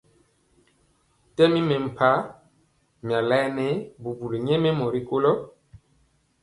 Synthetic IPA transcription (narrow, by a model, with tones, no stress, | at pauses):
tɛ˦mi˦me˨m̩˨pʰa˦ | mja˨lɛ˦ne˦bu˨bu˨le˨ɲɛ˦me˦mɔ˨ɾi˦ko˦lɔ˦